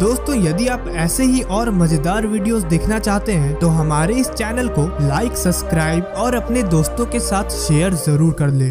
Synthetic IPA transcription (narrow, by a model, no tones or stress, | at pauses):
d̪oːst̪õːjɐd̪iaːpɛːseɦiʔɔːɾmɐd͡ʒd̪aːɾʋiːɖijozd̪eːkʰnat͡ʃaːɦt̪eɦɛ̃t̪oɦɐmaːɾeɪst͡ʃɛːnəlkolaːɪksɐbskɾaːɪbɔːɾɐpned̪oːst̪õkesaːt̪ʰʃeːjəɾzɐɾuːɾkɐɾlẽː